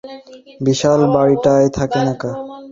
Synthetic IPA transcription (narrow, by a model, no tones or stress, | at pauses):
biʃalbaɽiʈaet̪ʰakenaka